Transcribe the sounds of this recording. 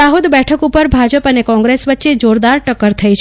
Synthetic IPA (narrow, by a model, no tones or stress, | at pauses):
aɦod̪bɛʈʰəkupəɾbʱad͡ʒəpənekɔ̃ŋɡɾesʋətːʃed͡ʒoɾd̪aɾʈəkəɾt̪ʰəjt͡ʃʰ